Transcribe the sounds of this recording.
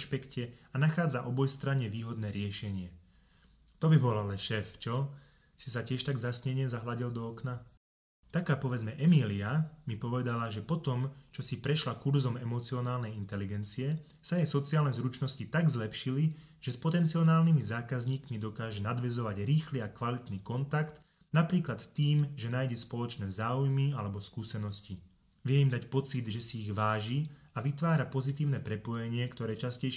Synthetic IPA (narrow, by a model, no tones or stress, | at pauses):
ʃpɛkcɛanaxaːd͡zaʔɔbɔjst̪ɾaɲɛʋiːɦɔd̪nɛːɾɪɛʃɛɲɪɛ | t̪ɔbibɔlalɛʃɛːft͡ʃɔ | sisacɪɛʃt̪aɡzasɲɛɲɪɛzaɦlaɟild̪ɔɔkna | t̪akaːpɔʋɛd͡zmɛʔɛmiliamipɔʋɛd̪alaʒɛpɔt̪ɔmt͡ʃɔsipɾɛʃlakuɾzɔmɛmɔt͡siɔnaːlnɛjint̪ɛliɡɛnt͡siɛ | sajɛsɔt͡siaːlnɛzɾut͡ʃnɔscit̪aɡzlɛpʃili | ʒ̥ɛspɔt̪ɛnt͡siɔnaːlnimizaːkazɲiːkmid̪ɔkaːʒɛnad̪ʋɛzɔʋaɟɾiːxliakʋalit̪niːkɔnt̪akt̪ | napɾiːklat̪t̪iːmʒɛnaːjɟɛspɔlɔt͡ʃnɛːzaːujmialɛbɔskuːsɛnɔsci | ʋɪɛimd̪acpɔt͡sid̪ʒɛsiːɣʋaːʒiaʋit̪ʋaːɾapɔzit̪iːʊnɛpɾɛpɔjɛɲɪɛkt̪ɔɾɛːt͡ʃascɛj